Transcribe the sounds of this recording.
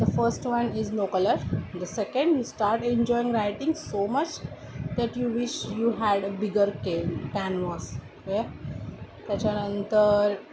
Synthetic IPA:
d̪əfəɾsʈʋʌ̃nɪzloːkələɾd̪əsɛkə̃ɳɖjuːsʈaːɾʈẽɲd͡ʒɔɪĩŋɡɾaɪʈɪ̃ŋsoːmʌt͡ʃd̪æʈjuːʋɪʃjuːɦæɖəbɪɡəɾkekæ̃nʋɔːs | ʋe | kɐt͡ʃanə̃nt̪əɾ

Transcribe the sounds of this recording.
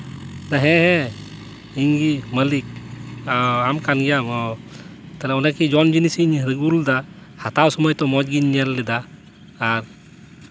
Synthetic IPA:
naɦɛ̃ɦɛ | iɲɡiməlikaamkanɡijamɔ | t̪alɛɔnakid͡ʒɔnd͡ʒinisiɲɾəɡuld̪a | hat̪awsɔmɔjt̪ɔmɔd͡ʒɡiɲːɛlːɛd̪aː | ɾ

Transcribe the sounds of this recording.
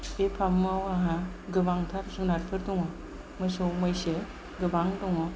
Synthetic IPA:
epʰamːawaɦa | ɡɯbaŋtʰaɾzunaɾpʰɯɾdɔŋɔ | mɯsɯwmajse | ɡɯbaŋdɔŋɔ

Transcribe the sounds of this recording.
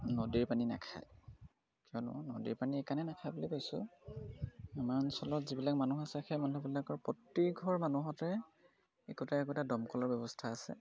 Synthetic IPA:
nodiɹpanina̰kʰa̰j | kiɔnɔ̰nodḭɹpaniɛkanɛnakʰajbɔlikojsʊ̰ | imansɔlɔtzibilakmanuxasɛxɛmanubilakɔɹpɔtːiɡʱɔɹmanuɦɔtɛ | ɛkutaɛk̬uɛtadɔmkɔlɔɹbjɛbɔstʰaːsɛ̰

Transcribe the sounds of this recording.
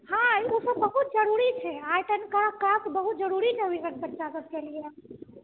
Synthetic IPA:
hãosəbbəɦut̪̚d͡ʒəɾuɾit͡ʃʰɛajʈ̪ənekəɾəkːəɾəsbəɦut̪̚d͡ʒəɾuɾit͡ʃʰɛɦuikəkb̪ətːt͡ʃasəb̚kelia

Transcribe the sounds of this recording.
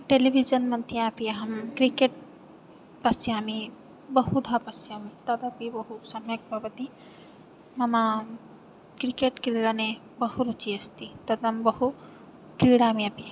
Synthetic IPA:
ʈelibʱid͡ʒɐnmɐnt̪ʰiãpiaɦɐmkɾikeʈ̚ | pɐsiaːmi | bɐɦud̪ʱapɐsijaːmit̪ɐd̪ɐpibɐɦusɐmjɐk̚bʱabɐt̪i | mɐma | kɾikeʈkɾiɽane | bɐhuɾut͡ʃiɐst̪it̪ɐd̪ɐmbɐɦu | kɾiɽamĩɐpia

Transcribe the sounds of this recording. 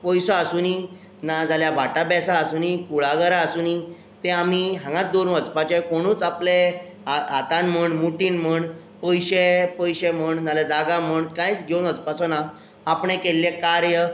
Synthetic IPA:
pɔjsɔasuni | nad͡zaljabaʈabɛsaːsunikuɭaɡəɾaəsuni | t̪ẽamiɦãŋɡãt̪̚d̪oɾnət͡spat͡ɕẽkoɽ̃ũːt͡saple | aat̪ãnməɳmuʈiːnm̤əɳ | pɔjɕepɔjɕeməɳd͡zaled͡zaɡãm̤əɳkãjt͡sɡʱewnəd͡zpat͡sɔnaː | pɳẽkelːjekaɾjə

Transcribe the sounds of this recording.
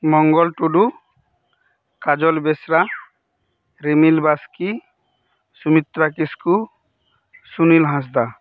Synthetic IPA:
mɔŋɡɔlʈuɖu | kad͡ʒɔlbesɾa | ɾemilbaski | sumit̪ɾakisku | sunilɦãs̬d̪a

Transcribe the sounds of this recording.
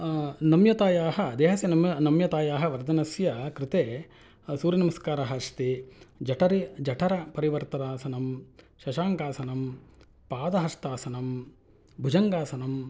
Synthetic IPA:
nɐmjɐt̪aːjaːɦɐd̪eːɦɐsjɐnɐmnɐmjɐt̪aːjaːɦɐʋɐɾd̪ʱɐnɐsjɐkɾɪt̪eː | suːɾjɐnɐmɐskaːɾɐɦɐʂt̪id͡ʒɐʈʰɐɾid͡ʒɐʈʰɐɾɐpɐɾiʋɐɾt̪ɐɾaːsɐnɐm | ʃɐʃaːŋkaːsɐnɐm | paːd̪ɐɦɐst̪aːsɐnɐm | bʱud͡ʒɐŋɡaːsɐnɐm

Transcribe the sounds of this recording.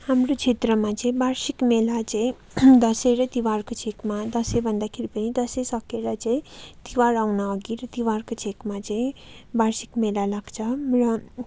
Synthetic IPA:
hamrot͡ʃʰet̪rʌmat͡sʌĩbaɾsikmelat͡sʌ̃ĩ | d̪ʌseɾʌt̪iwaɾkot͡sʰekmad̪ʌsebʱʌnd̪akʰeɾipʌnid̪ʌsesʌkeɾʌt͡sʌĩt̪iwaɾawnaʌɡiɾʌt̪iwarkot͡sʰekmat͡sʌĩbaɾsi̥kmelalaɡt͡sʰʌrʌ

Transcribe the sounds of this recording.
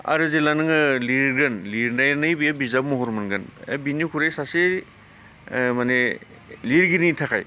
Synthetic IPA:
a̰ɾɯzelanɯŋɯliɾɡɯnliɾnajnɯjbijabizabmɔɦɔɾmɯnɡɯnḛbinikʰuɾejsase | mane | liɾɡiɾnitʰakʰaj

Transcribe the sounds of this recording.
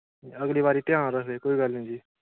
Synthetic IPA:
əɡliːʋaːɾiːt̪ɪjãːɾəseːkoːiːɡəlnĩːd͡ʒiː

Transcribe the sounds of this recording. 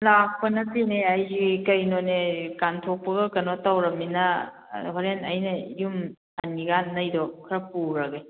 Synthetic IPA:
lak̚pɐnɐtineajd͡ʒikɐjnonekantʰok̚pɐɡɐkɐnotawɾɐminɐ | ɦɔɾenɐjnɐijum | aniɡanːɐjdɔkʰɾɐpuɾɐɡej

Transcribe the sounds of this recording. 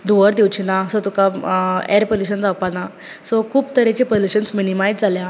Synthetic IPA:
d̪uʋəɾd̪iwt͡ɕinasɔt̪ukaɛ̰ɾpəluɕənd͡zapana | sɔkʰuːpt̪əɾet͡ɕepəluɕənsminimajd͡zd͡zalja

